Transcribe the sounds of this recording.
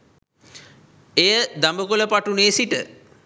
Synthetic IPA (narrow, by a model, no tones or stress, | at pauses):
ejəd̪ambəkuləpaʈuneːsiʈə̰